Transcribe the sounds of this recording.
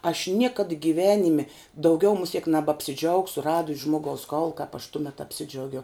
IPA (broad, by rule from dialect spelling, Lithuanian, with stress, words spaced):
ɐʃ ˈnʲiɛkɐt ɡʲɪˈʋʲæːnʲɪmʲɪ ˈdɐʊɡʲɛʊ mʊˈsʲiɛk nʲɛbɐpʲsʲɪˈd͡ʒɐʊksʊ ˈrɑːdʊs ˈʒmoːɡɐʊs ˈkɐʊlˠʊ kɐp ɐʃ ˈtʊmʲɛt ɐpʲˈsʲɪd͡ʒʲɛʊɡʲɛʊ